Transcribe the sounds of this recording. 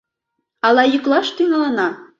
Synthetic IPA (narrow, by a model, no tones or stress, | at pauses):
ɑlˠɑjyklˠɑʃt̪yɣɑlˠɑnɑ